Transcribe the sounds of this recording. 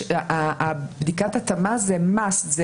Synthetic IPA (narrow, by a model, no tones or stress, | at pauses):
abd̪ikat̪at̪amazemasze